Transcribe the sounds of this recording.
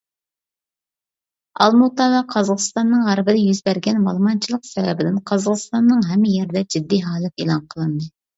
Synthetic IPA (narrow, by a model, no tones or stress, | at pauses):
ɑ̰lˠmut̪ɑvɛqʰɑzɑʁə̥st̪ɑnːɨŋʁæɾɪbɪd̪ɛjyzbɛɾɡʲɛnmɑlˠmɑnt͡ʃʰilˠəqsɛvɛbɪd̪ɪnqʰɑzəʁəst̪ɑnːɨŋɦɛmːɪjɛɾɪd̪ɛd͡ʒid̪ːiɦɑːlˠɨt̪ḛlˠɑnqʰəlˠɨnd̪ɨ